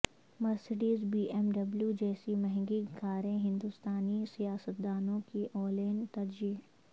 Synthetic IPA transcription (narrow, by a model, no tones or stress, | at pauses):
mɐɾsɪɖiːzbiːʔɛmɖɐbljud͡ʒɛːsimɛɦŋɡiɡʰaːɾẽɦɪ̃nd̪ust̪aːnisijaːsət̪̚d̪aːnõkiʔɔːleːnt̪ɐɾd͡ʒiːɦ